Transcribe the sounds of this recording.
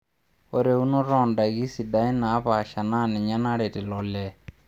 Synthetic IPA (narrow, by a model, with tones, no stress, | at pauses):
o˦ɾe˨u˦nɔ˦ɾɔ˦˨nda˨ɡi˦si˨da˦i˦na˨˦pa˨ʃa˨na˦nɛ˨ɲa˦na˦ɽɛ˨tɪ˨lɔ˨lɛ˦